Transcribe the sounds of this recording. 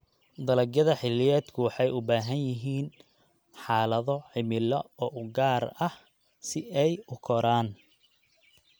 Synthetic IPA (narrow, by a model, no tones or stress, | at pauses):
d̪ɐlɐɡjɐðɐħɪlɪjɛːd̪kʰʊwɑħɑjʊbaːɦɐnjɪɦiːn | ħɑːlɐðɔʕɪmɪlɔɔːʔʊɡaːrɐh | sɪʔɛjʊkʰɔɾaːn